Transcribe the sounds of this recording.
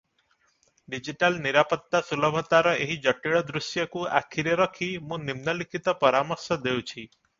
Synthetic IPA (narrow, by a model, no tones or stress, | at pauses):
ɖid͡ʒiʈalniɾapɔt̪ːasulɔbʱɔt̪aɾɔeɦid͡ʒɔʈiɭɔd̪ɾusjɔkua̰kʰiɾeɾɔkʰimũnimnɔlikʰit̪ɔpɔɾamɔɾsɔd̪ewt͡ʃʰi